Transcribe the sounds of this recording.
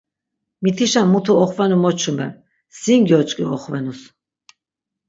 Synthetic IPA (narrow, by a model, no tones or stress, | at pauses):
mit̪ʰiʃamːut̪ʰuɔχvɛnumɔt͡ʃʰumbɛ̰m | sinɡjɔt͡ʃʼkʼiɔχvɛnus